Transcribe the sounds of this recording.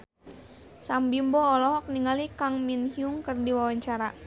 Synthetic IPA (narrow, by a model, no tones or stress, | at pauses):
sambimbɔːlɔɦɔk̚niŋalikaŋminhiuŋkərdiwawaɲt͡ʃaɾa